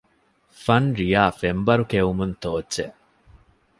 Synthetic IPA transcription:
fɐnɾijaːfembɐɾukeumunt̪oːdːe

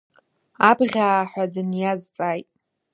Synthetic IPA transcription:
abʁʲaːħʷadɨnjazt͡sʼajtʼ

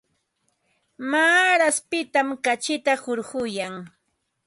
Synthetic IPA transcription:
maːɾaspɪt̪amkat͡ʃɪt̪ahʊɾɢʊjaŋ

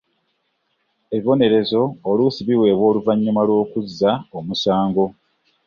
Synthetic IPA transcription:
e̞βiβo̞ne̞ɾe̞zo̞ːluːsiβiwe̞ːβwo̞ːluvaɲːumalwo̞ːkuzːaomusaːŋɡo̞

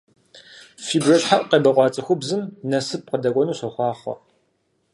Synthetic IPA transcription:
fiːbrɐɕħaʔʷʼqeːbɐqʷɑːt͡sʼɐxʷʊbzɨmnɐsɨp̚qədɐkʷʼɔnuːɕɐxʷɑːχʷɔ̰

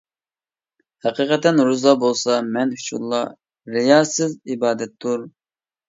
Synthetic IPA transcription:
hæqiqʰɛt̪ɛnɾuzɑbolˠsɑmɛnyt͡ʃʰuɾlˠːɑ | ɾɪjɑːsɪzibɑːd̪ɛt̪ːuɾ

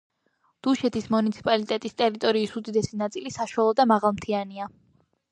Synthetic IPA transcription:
d̪̥uʃɛt̪ʰismunit̪sʰi̥pʼalit̪ʼɛt̪ʼist̪ʼɛɾit̪ʼɔɾiːsud̪id̪ɛsinat̪sʼilisaʃwalˠɔd̪amaʁalˠmt̪ʰiania

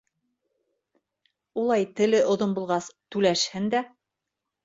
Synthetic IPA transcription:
ulˠɑjt̪ɘ̆lɘʔŏðonbulˠʁɑst̪ʉlæʃhɘnd̪æ

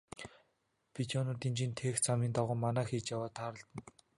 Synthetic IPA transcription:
pit͡ɕʰɔnʊːt̪iːnt͡ɕiːnt̪ʰeːxt͡samiːnt̪aʁʊːmanæːxiːt͡ɕjawaːt̪ʰaːɾə̆ɬt̪ə̆n

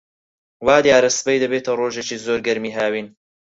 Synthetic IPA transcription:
waːd̪jaːɾɐsbɐjd̪ɐbeːt̪ʰɐroːʒet͡ʃiːzoːɾɡɐɾmiːɦaːwiːn

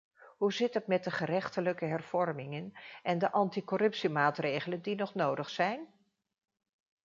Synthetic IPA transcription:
ɦuzɪtətmɛtdəχərɛχtələkəɦɛrv̥ɔrmɪŋənʔɛndəʔɑntikɔrɵpsimaːtrejχələndinɔχnowdəχsɛjn

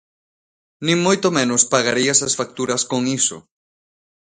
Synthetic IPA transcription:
nĩŋmojt̪omẽnospaɣaɾiesasfak̚t̪uɾɐskoŋiso̰

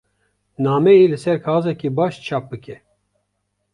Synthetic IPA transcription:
naːmɛjeːlɨsɛɾkʰaːzɛkibɑːʃt͡ʃʰɑːp̚bɨkʰɛ

